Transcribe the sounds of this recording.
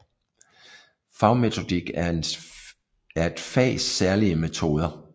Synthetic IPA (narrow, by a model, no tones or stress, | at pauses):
fɑ̈ʊme̝t͡sʰo̝d̥iɡ̥ | æɐe̝d̥fɛ̰ːsːæɐliəme̝t͡sʰo̝ːð̞ˠɐ